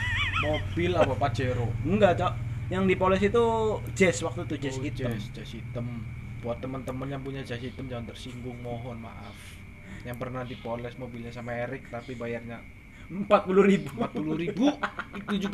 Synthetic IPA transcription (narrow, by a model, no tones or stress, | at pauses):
mobɪlapapat͡ʃeɾoŋɡat͡ʃajaŋdipolɛsit̪ud͡ʒɛswak̚t̪ut̪ud͡ʒɛsɡit͡ʃɛst͡ʃɛsit̪əmbuat̪ːəmənt̪əmənɲapuɲat͡ʃɛsit̪əmd͡ʒaŋant̪ərsiŋbʊŋmoɦɔnma̰ʔaf | jaŋpərnad̪ipolɛsmobilɲasamaeɾɪk̚t̪apibajarɲa | mpat̪̚puluɾibumat̪̚puluɾibuit̪ud͡ʒuɡ